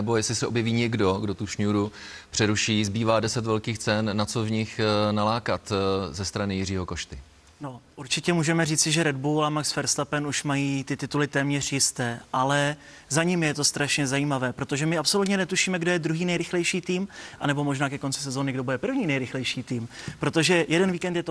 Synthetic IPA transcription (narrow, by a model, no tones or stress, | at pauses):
ɛbo̞jɛslɪsɛʔobjɛviːɲɛɡdoɡdot̪uʃɲuɾupr̝̥ɛɾuʃiːzbiːvaːdɛsɛt̪vɛlkiːxt͡sɛnːat͡sovɲɪxnalaːkat̪zɛst̪ɾanɪjɪriːɦo̞ko̞ʃt̪ɪ | no̞ʔuɾt͡ʃɪcɛmuːʒɛmɛriːt͡sɪʒɛɾɛdbuːlamaksfɛɾst̪apɛnuʃmajiːt̪ɪt̪ɪt̪ulɪt̪ɛːmɲɛr̝jɪst̪ɛːʔalɛ | zaɲimjɛt̪o̞st̪ɾaʃɲɛzajiːmavɛːpɾot̪o̞ʒɛmɪapso̞lut̪ɲɛnɛt̪uʃiːmɛɡdo̞jɛd̪ɾuɦiːnɛjɾɪxlɛjʃiːt̪iːmʔa̰nɛbo̞mo̞ʒnaːkɛko̞nt͡sɪsɛzonɪɡdo̞budɛpr̩vɲiːnɛjɾɪxlɛjʃiːt̪iːmpɾo̞t̪o̞ʒɛjɛdɛnviːkɛnt̪jɛt̪o